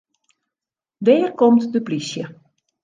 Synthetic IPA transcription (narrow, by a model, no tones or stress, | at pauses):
dɛːrkomtdəplisjə